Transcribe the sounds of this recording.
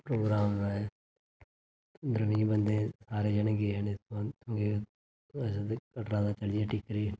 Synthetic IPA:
pɾoːɡɾaːmae | d̪ɾəmĩːbənd̪ẽːsaːɾeːd͡ʒənɡenet̪ãt̪ʰõːɡe | əsakəʈɾãːd̪aːt͡ʃəlijaːʈɪkɾiː

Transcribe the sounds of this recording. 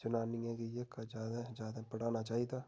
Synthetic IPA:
t͡ʃʊnaːniɛ̃kijekad͡ʒaːd̪ad͡ʒaːd̪apəɽaːnat͡ʃaːid̪aː

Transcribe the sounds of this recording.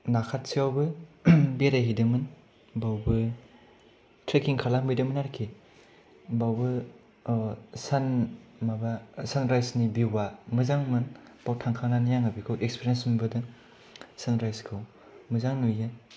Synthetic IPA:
nakʰat̚siawbɯbeɾajɦidɯmɯn | bawbɯ | tʰɾekiŋkʰalambidɯmɯnaɾkʰi | bawbɯ | sanmabasanɾajsnibiwamɯzaŋmɯnb̥awtʰaŋkʰaŋnanijaŋɯbikʰɯwʔekspʰiɾijensmbɯdɯ | sanɾajskʰɯw | mɯzaŋnujɯ

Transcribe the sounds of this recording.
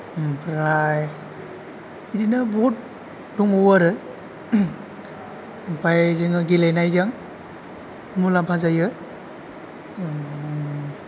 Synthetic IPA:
pʰɾaj | idinabɔt̚ | duŋɔwaɾɯ | pʰajziŋɯɡilajnajzaŋ | mulampʰazajɯ

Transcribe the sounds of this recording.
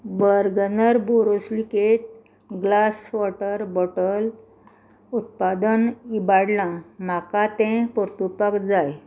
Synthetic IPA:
bəɾɡənəɾboɾoslikeʈ̚ | ɡlasʋɔʈəɾbɔʈəl | ut̪̚pad̪ənibaɽlãm̤akat̪ɛ̃pɔɾt̪upəkd͡zaj

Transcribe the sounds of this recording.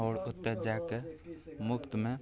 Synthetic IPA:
oːɽʊt̪ːed͡ʒakemʊkt̪mẽ

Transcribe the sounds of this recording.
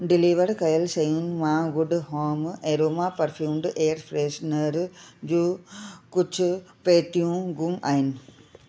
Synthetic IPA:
ɖɪliʋɐɾkɐjɐlsejunmaːɡuɖhoːmeɾoːmaːpɐɾfʰjuːmɖʔeːɐɾfɾeːsnɐɾd͡ʒukut͡ʃːɨpeːt̪ijũɡumʔɐjn

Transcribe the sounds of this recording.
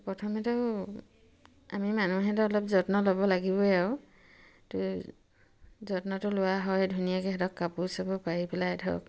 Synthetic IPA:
pɹɔtʰɔmɛtɔʊ | a̰mimanuɦɛtɔɔlɔpzɔtnɔlɔbɔlaɡibɔaʊ | tʊ | zɔtnɔtʊlʊwaɦɔjdʱunijakɛɦɛtɔkːapusabɔpaɹipɛladʱɔ̰k̚

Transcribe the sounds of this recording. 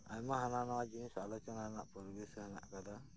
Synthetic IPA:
ajmaɦananawad͡ʒinisalɔt͡ʃɔnana̰ʔpɔɾɡɛshəna̰ʔkad̪a

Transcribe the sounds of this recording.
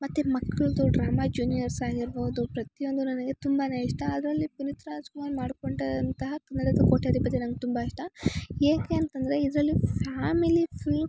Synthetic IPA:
mɐt̪ːemɐkːɐɭd̪uɖɾaːmaːd͡ʒuːnijɐɾsaːɡiɾboːd̪upɾɐt̪ijo̞nd̪unɐnɐɡe̞t̪umbɐnɐjɐʂʈɐːd̪ɾɐlːipunit̪ɾaːd͡ʒkumaːnmaːɽkoɳʈɐd̪ɐnt̪ɐɦɐkɐnːɐɽɐkːɐkoʈːiaːd̪ipːɐd̪ːenɐnɡet̪umbaiʂʈɐeːkeːnt̪ɐnd̪ɐɾe̞id̪ɾɐlːipʰaːmilipʰil

